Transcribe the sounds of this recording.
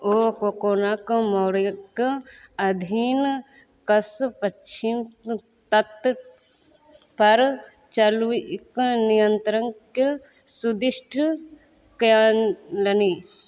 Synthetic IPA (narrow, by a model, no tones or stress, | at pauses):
oːkokoːnakmɔɽjkɐd̪ʱiːn | kɐspɐim | t̪ɐt̪ | pɐɾ | t͡ʃɐluknijənt̪ɾəŋke | sud̪ɪʃʈʰ | kjaːnlɐni